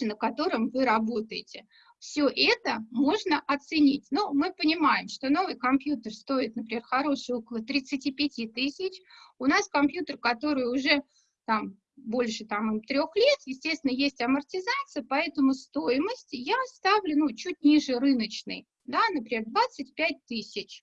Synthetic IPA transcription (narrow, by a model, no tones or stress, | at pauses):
nəkɐt̪o̞ɾɨmvɨɾɐbo̞t̪əjɪtʲɪ | fsʲoʔɛt̪əmo̞ʐnəʔɐt̪sɨnʲitʲnomɨpənʲɪmajɪmʂt̪o̞no̞vɨjkɐmpjut̪ərst̪o̞ɪt̪̚nəp̬ɾʲɪmʲerxɐɾo̞ʂɨjo̞kəlˠət̪ɾʲɪt̪sɨtʲipʲɪtʲit̪ɨsʲɪt͡ɕʊnaskɐmpjut̪ərkɐt̪o̞ɾɨjʊʐɛ | t̪am | bo̞lʲʂɨt̪amɨmt̪ɾʲo̞xlʲe̞t̪jɪsʲtʲest̪ʲvʲɪnəjesʲtʲɐmərtʲɪzat̪sɨjəpɐɛt̪əmʊst̪ojɪməsʲtʲjast̪avlʲʊnut͡ɕutʲnʲiʐɨrɨnət͡ɕnɨ̰j | d̪anəpɾʲɪmʲerd̪vat̪sɨt̚ʲpʲæt̚ʲt̪ɨsʲɪt͡ɕ